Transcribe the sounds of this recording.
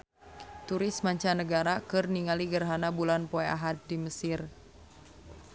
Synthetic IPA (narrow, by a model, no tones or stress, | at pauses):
t̪uɾɪsmaɲt͡ʃanəɡaɾakɨrniŋaliɡərɦanabulanpɔɛʔa̰ɦat̪̚diməsɪr